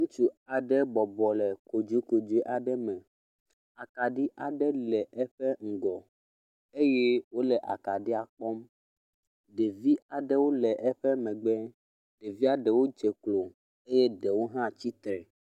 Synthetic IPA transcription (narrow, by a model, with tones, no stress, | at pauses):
ŋũ˦t͡ʃu˦a˨ɖɛ˦bɔ˨bɔ˨lɛ˨ko˨d͡ʒu˨˦ko˨d͡ʒe˦ʔa˨ɖɛ˦mɛ̃˨ | a˨ka˨ɖi˦ʔa˨ɖɛ˦lɛ˨ʔɛ˦ɸɛ˦ŋ̩˨ɡɔ˨ | e˦jɛ˦wo˦lɛ˨ʔa̰˨ka˨ɖi˦a˨k͡pɔ˦m | ɖe˨vi˦a˨ɖɛ˦wo˦lɛ˨ʔɛ˦ɸɛ˦mɛ̃˨ɡ͡bɛ˦ | ɖ̥e˨vi˦a˨ɖɛ˨wo˦d͡ʒɛ˨klo˨ | e˦jɛ˦ɖɛ˨wo˦ɦã˦t͡ɕi˦t̪ɾɛ˨